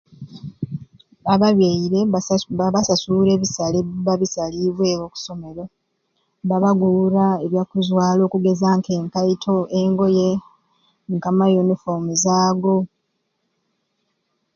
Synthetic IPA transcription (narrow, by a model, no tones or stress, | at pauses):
aβaβjeiɾe̞βasasuɾe̞βisaleβaβisaliβwe̞ːoku̥so̞me̞ɾo̞ | βaβaɡuuɾaeβjakuzwaːlo̞ːkuɡe̞zaŋke̞ːŋkaitʰo̞eŋɡo̞je | ŋkamajunifomuzaːɡo̞